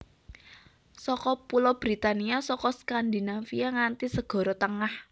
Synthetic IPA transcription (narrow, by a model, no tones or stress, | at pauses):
sɔkɔpulɔb̥ɾit̪aniasɔkɔskand̪inafijaŋant̪isəɡ̥ɔ̤ɾɔt̪əŋah